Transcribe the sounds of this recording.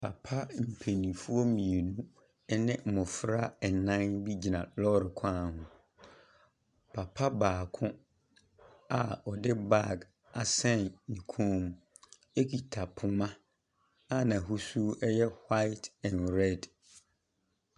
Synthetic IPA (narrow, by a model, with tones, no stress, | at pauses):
pʰa̰˨pʰa˦m̩˨pʰe˨nĩ˨fu˦ɔ˦mĩ˨e˨nũ˦ | ɛ˦nɪ̃˦m̩˨mʊ̃˨fɾa˦ɛ˨nã˦nbi˦d͡ʑi˨nã˨lɔ˦ɾɪ˨kʰã˦˨hʊ̃˨ | pʰa˨pʰa˦baː˨kʰʊ̃˦ | a˨ɔ˨dɪ˦ba˦˨ɡ | a˨sɛ̃˦nnĩ˨kʰũ˦m | e˦kʰi˨tʰa˨pʰʊ˨mã˦ | a˦nã˨ɦu˦su˦ɛ˦jɛ˦hwa˦ɪ˦tʰɛ̃˨nɾɛ˦˨d